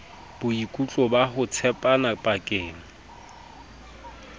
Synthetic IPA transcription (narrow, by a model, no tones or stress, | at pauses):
b̥ʊikʼut͡ɬʼɔbahʊt͡sʰɛpʼanapʼakʼɪːŋ̩